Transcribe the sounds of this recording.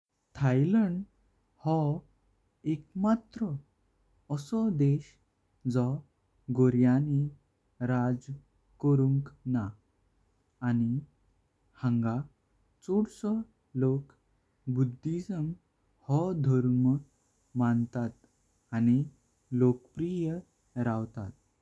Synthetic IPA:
t̪ʰajləɳɖ | hɔ | ekmat̪ɾəː | sɔd̪eɕ | d͡zɔ | ɡoɾjani | ɾad͡z | kəɾuŋkna | ni | hãŋɡa | t͡soɽsɔ | lok | bud̪ʱːisəm | hɔd̪ʱəɾmə | mant̪at̪ | añi | lokpɾijə | ɾawt̪at̪̚

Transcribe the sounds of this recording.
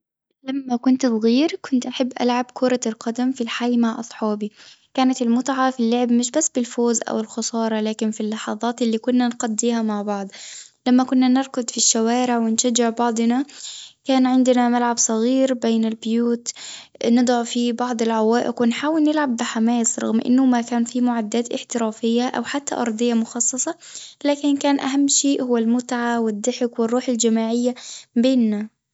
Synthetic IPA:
lamːakʊnt̪sˤɣiːɾkʊnt̪ʔaħabːʔa̰lʕabkʰʊɾˤɑlqɑd̪amfilħajmaʕʔɑsˤħɑːbi | kaːnat̪ɪlmʊt̪ʕɑfilːʊʕɪbmɪʃ̬basːbɪlfoːzʔa̰wɪlxʊsˤɑːɾˤɑlaːkɪnfilːɑħɑðˤɑːt̪ʔɪlːikʊnːanqad̪ːiːhamaʕbɑʕd̪ˤlamːakʊnːanɪɾˤkʊd̪fiʃːawaːɾɪʕwɪnʃad͡ʒːɪʕbɑʕd̪ˤnakaːnʕɪnd̪ɪnamalʕabsˤɑɣiːɾbeːnɪlbɪjuːt̪nɨd̪ˤɑʕfibɑʕd̪ˤɪlʕawaːʔɪqwɪnħaːwɪlnɪlʕabːɪħamaːsɾˤɑ̰ɣmʔɪ̰nːʊmakaːnfimʊʕad̪ːaːt̪ʔɪ̰ħt̪ɪɾaːfɪjːaʔa̰wħat̪ːa̰ʔɑɾˤd̪ˤɨjːamʊxɑsˤːɑsˤɑ | laːkɪnkaːnʔa̰ɦamːʃeːʔhʊwːalmʊt̪ʕawɪd̪ːɪħɪkwɪrˤːuːħɪld͡ʒamaːʕɪjːabeːnːa

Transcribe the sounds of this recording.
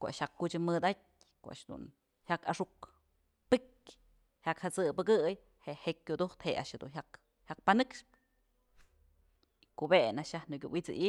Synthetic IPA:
koʔa̰ʃhakːut͡ʃɨmɨd̪at̚ʲ | koʔa̰ʃd̪ṵn | hakaʂuk | pɨkʲ | hjakhat͡sɨbɨɡɨj | heʔheʔkʲːud̪uht̪hea̰ʃhed̪ṵnɦʲjak | hak̚panɨkʂpɨ̥ | ikobenaʃjahnɨkʲṵʔwit͡sɨ̰ʔi

